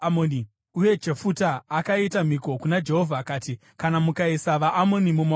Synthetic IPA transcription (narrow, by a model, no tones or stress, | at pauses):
moni | uje̞d͡ʒe̞futaːkaitam̤iko̞kunad͡ʒe̞ɦo̞vʱaːkaːti | kanamukaisaʋaʔːmo̞nimuma